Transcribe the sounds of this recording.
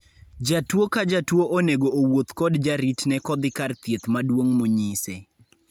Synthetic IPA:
d͡ʒatwokad͡ʒatwoʔoneɡoʔowot̪kɔdd͡ʒaɾitnɛkɔd̪ɪkart̪jet̪madwoŋmoɲise

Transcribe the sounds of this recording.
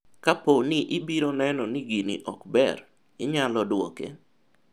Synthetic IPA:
kaponɪʔɪbiɾonɛnɔniɡinḭʔɔkbɛ̰r | ɪɲalɔdwɔ̰kḛ

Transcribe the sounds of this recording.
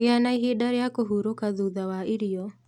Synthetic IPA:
eanaiɦeɗaɾɛjakoɦuɾokaðuðawaiɾiɔ

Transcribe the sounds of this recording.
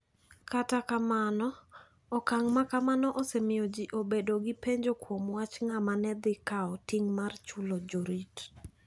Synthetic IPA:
katakamanɔ | ɔkaŋmakamanɔʔosɛmɪjɔd͡ʒiʔobedoɡipeɲd͡ʒokwomwat͡ʃŋamanɛd̪ɪkaɔtiŋmart͡ʃulod͡ʒoɾit

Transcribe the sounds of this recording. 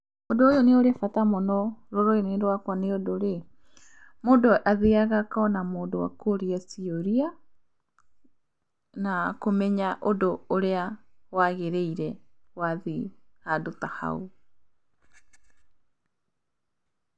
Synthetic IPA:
odoːjoneoɾefatamɔnɔɾoɾoeneɾwakwaneodoɾe | moːndoʔaðiaɣakaɔnamoːndowa̰koɾiasioɾia | nakomɛɲaʔodoːɾeawaɣeɾeiɾɛwaðiadotaha̰u

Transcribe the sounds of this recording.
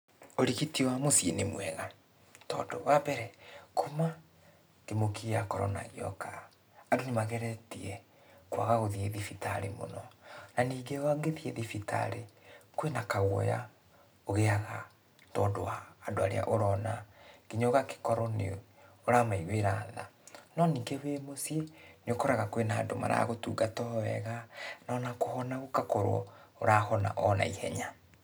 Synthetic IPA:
oɾiɣitiwamosjenemwɛɣa | tɔ̰ːdo̰wabɛɾɛkoma | kemokiakɔɾɔ̰na̰ɣiɔ̰kʰaː | donemaɣɛɾɛtiɛ | kwa̰ɣaɣoðieðifitaɾḛmo̰nɔnaniːɡewaŋɡeðieðifita̰ɾekwenakaɣwɔ̰ja̰ | oɣeaɣa | tɔːdoaːdoaɾḛa̰ʔoɾɔnakiɲɔɣake̥kɔɾɔnḛ | oɾamaiɣweɾaːða̰nɔniːŋɡewemosieneokɔɾaɣakwenaːndoma̰ɾa̰ɣotuːɡatɔwɛɣanɔnakohɔnaɣokakoɾwɔ̰oɾaːhɔna̰ʔɔna̰ihɛ̰ɲa

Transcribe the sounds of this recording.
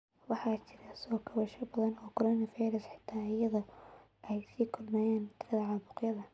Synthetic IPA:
wɑħɑːt͡ʃʰɪɾɐsɔːɡʰɐβɐʃɐbɐðɐnɔːkʰɔɾɔːnɐfijɾɐsħɪ̥t̪ʰaːɪjɐðɔ | ʔɛjsiːkʰʊlmɛːjaːnt̪ʰɪɾɐðɐʕɑbʊqjɐðɐ

